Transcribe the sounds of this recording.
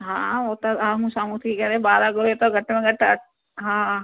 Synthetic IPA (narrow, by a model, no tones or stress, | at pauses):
ɦãːoːt̪aamũsaːmut̪ʰikikɛɾebaːɾaɡoet̪oɡʱɐʈːmẽɡʱɐʈːa | ɦãː